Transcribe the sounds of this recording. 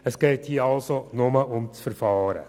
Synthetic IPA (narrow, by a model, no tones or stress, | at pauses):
əsɡ̥eɪthiːɑlsonʊməʔʊmt͡sfəɾfɑːɾə̰